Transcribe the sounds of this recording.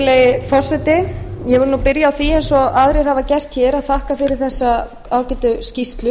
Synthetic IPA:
lejɪfɔr̥sɛt̪ɪjɛvʏɾnupɪɾjaːwθiɛejnsɔaðɾeɾ̥havacɛr̥t̪çɛːɾaðθahkafɪɾɪɾ̥θɛsːa | aːwcɛt̪ʏscist̪lʏ

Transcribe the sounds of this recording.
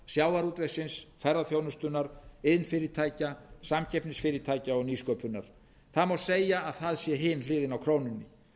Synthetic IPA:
sjawaɾuːt̪vejsɪnsfɛɾaðθjownʏst̪ʏnːaɾ̥ɪðnfɪɾɪt̪ʰaːjcasamcʰɛjpnɪsfɪːɾɪt̪ʰaːjcaɔɣniːskœːpʏnːa̰ɾ̥ | θaðmawseːjaːðθaðsjɛɦɪnlɪːðɪnawkʰɾoːwnʏnːɪ

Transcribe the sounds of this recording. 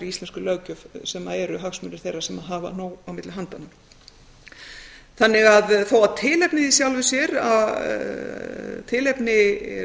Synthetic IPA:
ɾiist̪lɛnskʏlœːwcʏvsɛmːaɛɾʏɦaxsmʏnɪɾ̥θejrːasɛmaðɦava̰noːwawmɪt̪lɪɦant̪anːa | θanːɪɣaðθowaðt̪ʰɪːlɛpnɪðisjawlvʏsjɛɾa̰ | t̪ʰɪlɛpnɪ

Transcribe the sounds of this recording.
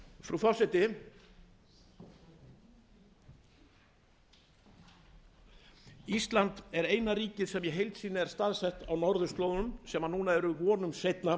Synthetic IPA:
fɾufɔsɛt̪ɪ | ist̪lant̪ɛɾejnaɾiːcɪðsɛmjɛɦejlt̪siːnaɛɾ̥st̪aðsɛht̪awnɔɾðʏst̪loðʏmsɛmanuːnaɛɾʏvɔːnʏmsejt̪na

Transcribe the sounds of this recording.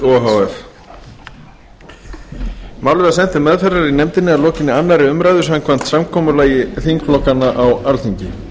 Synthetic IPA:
ɔɦawɛɾ̥ | mawlvɪasɛn̥t̪ɪmɛðfɛrːaɾinɛmt̪ɪnːɪalɔːcɪnːɪanːaɾɪʏmɾajðʏsamkʰvan̥t̪samkʰɔːmʏlaːjɪθiŋkflɔhkanːaʔawalθiɲcɪ

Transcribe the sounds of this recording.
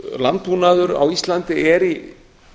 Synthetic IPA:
lant̪̚puːnaðʏɾa̰wist̪lant̪ɪɛɾi

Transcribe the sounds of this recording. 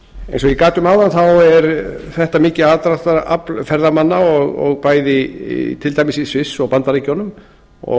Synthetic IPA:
ḛjnsɔɣikaːt̪ʏmaːwðanθawɛɾθɛht̪amɪːcɪat̪ɾat̪aɾa̰plfɛɾðamanːaɔɣɔ̰ɣpaːjðɪt̪ʰɪlt̪ajmɪsisvɪsːɔɣpant̪aɾeːcɔnʏm | ɔ̰

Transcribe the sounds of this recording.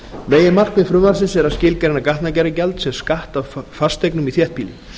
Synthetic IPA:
meːjɪmar̥kmɪfɾʏmaɾsɪnsɛɾaðscɪːlcaɾɪnakaht̪nacɛɾɪcɛlt̪sɛmskaht̪awfast̪ejknʏmiθjɛht̪̚piːlɪ

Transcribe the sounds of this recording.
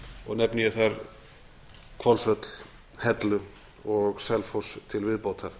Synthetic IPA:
ɔɣnɛpniɪθaɾ | kʰvɔlsœt̪l̥ | hɛt̪lʏ | ɔɣsɛlfost̪ʰɪlvɪðpowt̪ʰaɾ̥

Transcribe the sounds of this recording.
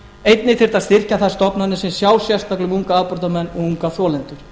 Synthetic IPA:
ejt̪nɪfɪr̥t̪aðst̪ɪr̥caθast̪ɔpnanːɪsɛnsjaːwsjɛst̪aklʏmuŋkaapɔɾt̪amɛnːɔɣuŋkaθɔːlɛnt̪ʏɾ̥

